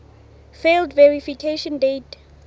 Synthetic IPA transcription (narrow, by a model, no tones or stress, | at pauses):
feldvɛɹifikʰeʃɔ̃ndet